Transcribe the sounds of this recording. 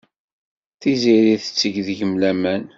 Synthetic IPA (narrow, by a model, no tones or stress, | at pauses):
θiziɾiθə̥t͡sːəʝðʝəmlæmæn